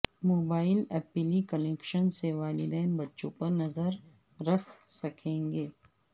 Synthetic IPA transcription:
moːbaːɪlɛːpɪlikɐleːkʃənseʋaːlɪd̪ɛːnbɐtːʃõpɐɾnɐzəɾː | ɐkʰsɐkʰẽːŋɡeː

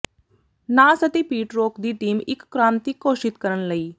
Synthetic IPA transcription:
nasət̪ipiːʈɾokd̪it̪iːmḭkːɾant̪ikːoʂiːt̪kəɾənləiː

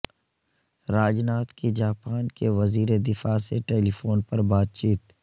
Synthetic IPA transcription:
ɾaːd͡ʒnaːt̪kid͡ʒaːpaːnkeʋɐziːɾed̪ɪfaseʈeːlifoːnpɐɾbaːd̪̚t͡ʃiːt̪

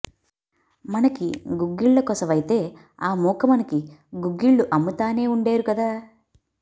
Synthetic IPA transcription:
mɐnɐkiɡuɡːiɭːɐkɔsɐʋɐjt̪e̞ː | aːmuːkɐmɐnɐkiɡuɡːiɭːuʔɐmːut̪aːne̞ːuɳɖeːɾukɐd̪aː

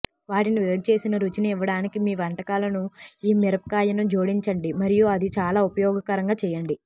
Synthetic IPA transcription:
ʋaːʈiniʋeːɽit͡ʃe̞ːsinɐɾut͡ʃiniʋːɐɽaːnikimiːʋɐɳʈɐkaːlɐnuiːmɛɾɐpɐkaːjɐnud͡ʒoːɽiɲt͡ʃɐɳɖimɐɾijuɐd̪it͡ʃaːlaːupɐjɔːɡɐkɐɾɐŋɡaːt͡ʃɛːjɐɳɖi

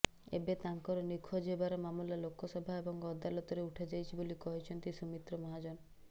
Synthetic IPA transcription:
ḛbet̪aŋkɔɾɔnikʰːɔd͡ʒebaɾɔmamulalokʰːɔsɔbʱaebɔŋɔd̪alɔt̪ɔɾeuʈʰad͡ʒajt͡ʃʰibolikɔɦit͡ʃʰɔnt̪isumit̪ɾɔmɔɦad͡ʒɔn

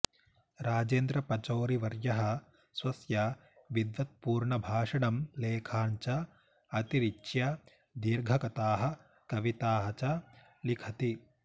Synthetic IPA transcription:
ɾaːd͡ʒeːnd̪ɾɐpɐt͡ʃoːɾiʋɐɾjɐɦɐ̆ | sʋɐsjɐ | ʋid̪ʋɐt̪̚puːɾɳɐbʱaːʂɐɳɐmleːkʰaːɲt͡ʃɐ | ɐt̪iɾit͡ʃjɐ | d̪iɾɡʱɐkɐt̪aːɦɐ̆ | kɐʋit̪aːɦɐt͡ʃɐ | likʰɐt̪i

